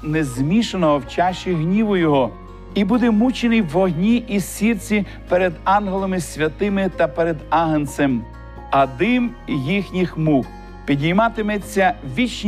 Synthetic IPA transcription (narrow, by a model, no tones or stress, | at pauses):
nezmʲiʃenɔɦɔwt͡ʃɑʃt͡ʃːɪɦnʲiʋʊjɔɦɔ | ibud̪ɛmut͡ʃɪnɪjʋɔɦnʲiʔisʲirt͡sʲi | peɾed̪ɑnɦlˠomɪsʲʋʲɐt̪ɪmɪt̪ɐpeɾed̪ɑɦɐnsem | ɐd̪ɪmjixnʲixmuk | pʲid̪ʲijmɑt̪ɪmet͡sʲːɐʋʲit͡ʃn